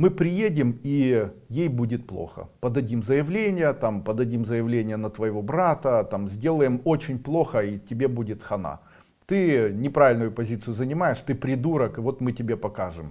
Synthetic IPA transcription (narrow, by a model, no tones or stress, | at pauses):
mɨpɾʲɪjedʲɪmijejbudʲɪt̪̚plˠo̰xə̰pəd̪ɐdʲimzəjɪvlʲenʲɪjət̪ampəd̪ɐdʲimzəjɪvlʲenʲɪjənət̪vəjɪvo̞bɾat̪ət̪amzʲdʲe̞lˠəjɪmo̞t͡ɕɪnʲplˠo̞xəitʲɪbʲebudʲɪt̪xɐna̰ | t̪ɨnʲɪpɾavʲɪlʲnʊjʊpɐzʲit̪sɨjʊzənʲɪmajɪʂt̪ɨpɾʲɪd̪uɾəkɨvo̞t̪mɨtʲɪbʲepɐkaʐɨm